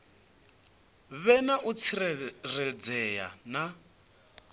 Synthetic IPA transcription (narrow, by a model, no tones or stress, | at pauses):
βɛnaʔut͡sʰiɾɛrɛd͡zɛja̰na